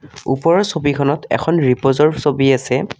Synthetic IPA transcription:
ṵpɔɹɔsobikʰɔnɔtɛ̰kʰɔnɹipozɔɹsobiasɛ

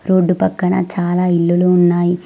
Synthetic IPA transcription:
ɾo̞ːɖːupɐkːɐɳɐ̰t͡ʃaːlaːilːuluːunːaːji

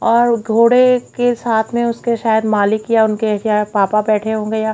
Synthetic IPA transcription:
ɔːɾɡʱoːɽekesaːt̪ʰmẽʊskeʃaːjəd̪maːlɪkjaʊnkejapaːpabɛːʈʰeɦõːɡeja

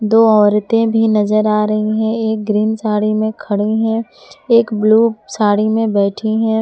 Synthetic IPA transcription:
d̪oːɔːɾt̪ẽbʱinɐzəɾaːɾɐɦiɦɛ̃eːk̚ɡɾiːnsaːɽimẽkʰɐɽiɦɛ̃eːkbluːsaːɽimẽbɛːʈʰiɦɛ̃ː

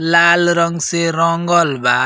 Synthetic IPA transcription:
lalɾʌŋɡseɾʌŋɡʌlba

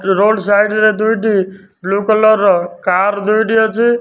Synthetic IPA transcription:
ɾolɖsajɖɾed̪ujʈi | blukɔlɔɾkaɾd̪ujʈijɔt͡ʃʰi

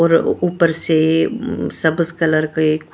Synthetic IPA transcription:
ɔːɾuːpəɾse | sɐbskələɾkek

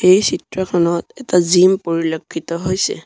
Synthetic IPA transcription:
xejsitɹɔkʰɔnɔtɛtazimpoɹilokʰːitɔɦojsɛ̰

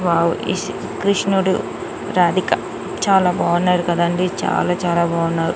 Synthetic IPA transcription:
ʋaːʋui | kɾiʂnuɽṵ | ɾaːd̪ikɐ | t͡ʃaːlaːbaːʋunːaːɾukɐd̪aːɳɖit͡ʃa̰ːlaːt͡ʃaːlaːbaːʋunːaːɾu

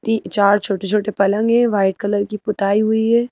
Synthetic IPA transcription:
t̪iːt͡ʃaːɾt͡ʃʰoːʈet͡ʃʰoːʈepɐlə̃ŋɡɦɛ̃ʋaːɪʈ̚kɐləɾkipʊt̪aːiɦʊiɦɛː

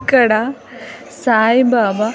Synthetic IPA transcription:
kɐɽa | saːjbaːba

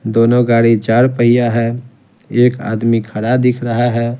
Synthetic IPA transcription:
d̪oːnoɡaːɽid͡ʒaːɾpəɦijaɦɛ | eːka̰ːd̪mikʰəɽad̪ikʰɾəɦaɦɛː

